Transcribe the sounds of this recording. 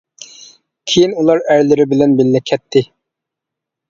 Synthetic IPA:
kʲʰejinulˠɑɾæɾlɪɾɪbɪlɛnbɪlːɛkʲʰɛt̪ʰːɪ

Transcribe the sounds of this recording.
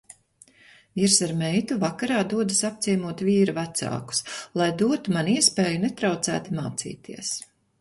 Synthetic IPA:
viɾsaɾmɛjt̪uvakaɾaːd̪uɔd̪asap̚t̪siɛmuɔt̪viːɾuvat̪sa̰ːku̥slˠajd̪uɔt̪umaniɛspeːjunɛt̪ɾawt̪sæ̰ːt̪ima̰ːt̪sḭːt̪ʰiɛs

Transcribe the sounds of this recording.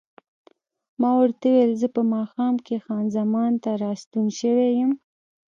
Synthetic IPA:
mɑwaɾt̪awelzəpəmɑxɑmkʰexɑnzamɑnt̪aɾɑst̪unʃəwejəm

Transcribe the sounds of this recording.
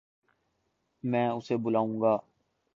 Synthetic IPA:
mɛ̃ːʊsebʊlaːũːŋɡaː

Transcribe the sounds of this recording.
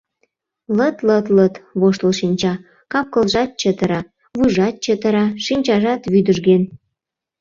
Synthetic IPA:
lət̪lət̪lət̪βoʃt̪əlʃinʲt͡ɕɑ | kɑp̚kəlʒɑt̪̚t͡ɕət̪ə̆ɾɑ | βujʒɑt̪̚t͡ɕət̪ə̆ɾɑʃinʲt͡ɕɑʒɑt̪βyd̪əʒɡen

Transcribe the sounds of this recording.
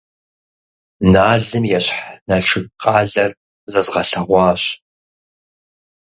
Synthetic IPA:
naːɮɨmjɛɕħnɐʃʰɨqʼaːɮɐr | zɐzʁɐɬɐʁʷɑːɕ

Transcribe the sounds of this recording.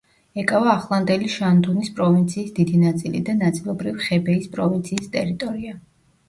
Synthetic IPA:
ɛkʼavaːχlˠand̪ɛliʃand̪unispʼɾɔvint̪sʰiːsd̪id̪inat̪sʼilḭd̪anat̪sʼilˠɔbɾiviχɛbɛispʼɾɔvint̪sʰiːst̪ʼɛɾit̪ʼɔɾia

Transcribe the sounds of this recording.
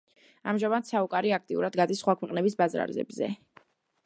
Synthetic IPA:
amʒamad̪saukʼaɾiak̚ʰt̪ʼiuɾad̪ɡad̪isχwakʰwɛqʼnɛbisbazɾa̰ɾzɛ̰bzɛ̰

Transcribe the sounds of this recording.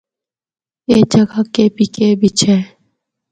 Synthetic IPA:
eːd͡ʒəɡakepikebʱit͡ʃʰeː

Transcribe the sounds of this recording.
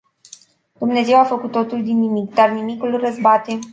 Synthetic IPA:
d̪̥umne̞ze̞wafəkut̪ːo̞t̪uld̪inːimikd̪arnimikulrəzbat̪e

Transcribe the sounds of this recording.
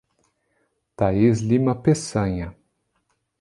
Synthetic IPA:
t̪aizlimɐpesɐ̃ɲɐ

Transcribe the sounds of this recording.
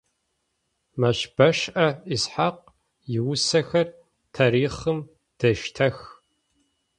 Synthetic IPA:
mɐɕb̥ɐʃʔɐisħaq̚ | jɪwʊsɐxɐr | tʰaːɾiːχɨm | d̥ɐʃtʰɐx

